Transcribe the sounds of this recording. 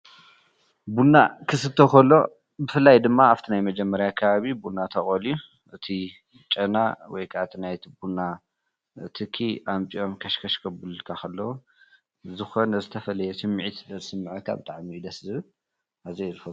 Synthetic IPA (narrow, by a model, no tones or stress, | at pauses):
bunːakʰɨsɨt̪ʰːokʰɐlːo̞̰ | bɨfɨlːajd̪ɨmːaaft̪ʰinajmɐd͡ʒɛmːɐɾjakʰɐβaβibulnat̪ʰɐχʼoliu | ʔɨt̪ʰi | t͡ʃʼɐna̰wɔjkʰaʔat̪ʰinajt̪ʰibuna | t̪ʰɨkʰːiʔampʼio̞mkʰɐʃkʰɐʃkʰɐbɨlkʰaxʰɐlːɐwu | zɨxonɐzɨt̪ʰɐfɐlɐjɛsɨmːʕit̪ɨd̪ɐzɨsɨmːɨʕɐkʰa̰bɨt̪ʼaʕmiːd̪ɐszɨβɨl | azijlfɐ